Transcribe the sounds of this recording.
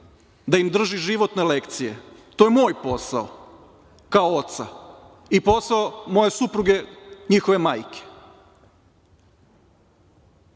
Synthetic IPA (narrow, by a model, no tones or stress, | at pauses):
d̪aimd̪r̩ʒiʒiʋo̞t̪ne̞lekt̪sijet̪o̞jemo̞ːjpo̞sa̰o | kaoot̪sa̰ | ipo̞saomo̞je̞supɾuɡe̞ɲixoʋemaːjke̥